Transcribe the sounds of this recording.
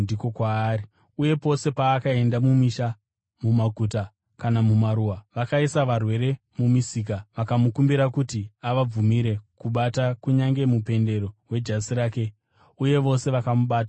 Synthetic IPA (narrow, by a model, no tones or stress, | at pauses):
ndikokwaːɾi | uje̞po̞se̞paːkae̞ndamumiʃa | mumaɡʱuta | kanamumaɾuwaʋakaisaʋarwe̞ɾe̞ | mumisiːk̬aʋakamukumbiɾakutiaʋab͡vumiɾe̞kuɓatakuɲaŋɡe̞mupe̞nde̞ɾo̞we̞d͡ʒasiɾaːke̞ | uje̞ʋo̞se̞ʋakamuɓaːta